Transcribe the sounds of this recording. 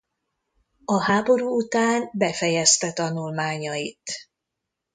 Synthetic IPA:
ɒɦaːbo̞ɾuːut̪aːnbɛfɛjɛst̪ɛt̪ɒnulmaːɲɒit̪

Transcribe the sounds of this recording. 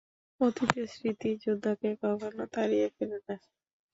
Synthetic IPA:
ot̪it̪esɾit̪id͡ʑod̪ʱːakekɔkʰonot̪aɾiefelena

